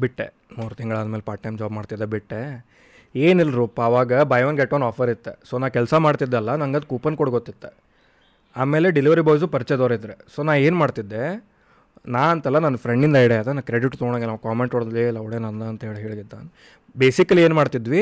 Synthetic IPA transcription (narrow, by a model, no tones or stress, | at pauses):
biʈːḛ | muːɾt̪iŋɡɐɭaːd̪melpaːʈːɐjmd͡ʒaːbmaːɖt̪id̪ːebiʈːe | eːnilːɾupaʋaːɡɐbɐjʋɐnɡeʈːonaːpʰɐɾit̪ːḛsoːnaːkɛlsɐmaːɽt̪id̪ːɐlːɐnɐŋɡɐd̪kupɐnkoɽɡot̪ːit̪ːe | aːme̞ːle̞ɖiliʋɐɾiboːjs̬upɐɾt͡ʃed̪oːɾid̪ɾeso̞ːnaːʋe̞ːnmaːɖt̪id̪ːe̞ | naːɐnt̪ɛlːɐnɐnːɐpʰɾeɳɖind̪ɐiɽeaːd̪enɐkɾeɽiʈːt̪oːɳɐɡenaːʋkaːmeɳʈoɽd̪lilːɐwɽeːnɐnd̪ɐɐnt̪ɐɦeːɭɦeːɭɡid̪ːa̰ːn | beːsikɐlieːnmaːɖt̪id̪ʋi